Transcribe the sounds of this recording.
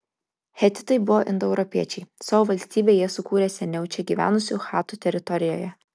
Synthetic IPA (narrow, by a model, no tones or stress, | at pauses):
xʲɛt̪ʲɪ̥t̪ɐɪbʊʋoːʔɪnd̪ɔɛʊɾɔpʲiɛt͡ʃʲɛɪsɑʋoːʋɐlʲsʲt̪ʲiːbʲeːjiɛsʊkuːɾʲeːsʲɛnʲɛʊt͡ʃʲɛɡʲiːʋʲæ̰ːnʊsʲuːˑxɑːt̪uːt̪ʲɛɾʲɪt̪ɔɾʲɪjo̰ːjɛ